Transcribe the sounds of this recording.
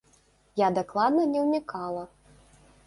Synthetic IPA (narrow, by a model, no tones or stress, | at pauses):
jad̪aklˠad̪nɐnʲɛwnʲikʰalˠɐ